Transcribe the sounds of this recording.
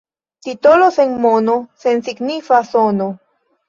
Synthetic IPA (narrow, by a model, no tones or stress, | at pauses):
t̪it̪olosenmonosensiɡnifasono